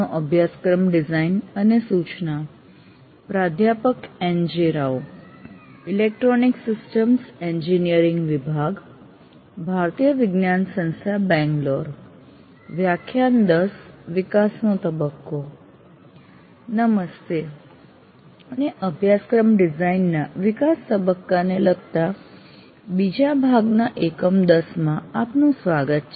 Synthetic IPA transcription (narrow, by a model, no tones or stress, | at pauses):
oʔəbʱjaskɾəmɖizainənesut͡ʃna | pɾad̪ʱjapəkẽɲd͡ʑiɾaw | ilek̚ʈɾoniksisʈəmsẽɲd͡ʑinijəɾiŋɡʋibʱaɡ | bʱaɾt̪ijəʋiɡnjansə̃ñst̪ʰjabɛ̃ŋɡloɾ | ʋjakʰjand̪əsʋɪkasnõt̪əbəkːo | nəməst̪e | əneʔəbʱjaskɾəmɖɪzainːaʋɪkast̪əbəkːaneləɡ̚t̪a | bid͡ʒabʱaɡnaʔekəmd̪əsmãapnũsʋaɡət̪̚t͡ʃʰ